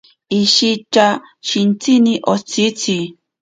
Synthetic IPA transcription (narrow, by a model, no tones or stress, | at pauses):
iʃit͡ʃa | ʃint͡siniʔot͡sit͡si